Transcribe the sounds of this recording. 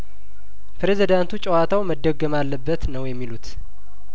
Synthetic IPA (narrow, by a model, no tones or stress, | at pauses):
pʰɨɾezid̪ant̪ut͡ʃʼɛwat̪ʰawməd̪ːəɡːəmalːəbːət̪nəwjɛmːilut̪